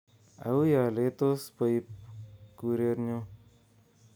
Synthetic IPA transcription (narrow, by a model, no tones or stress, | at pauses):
a̰ujaːlet̪ospəjpkuɾeɾno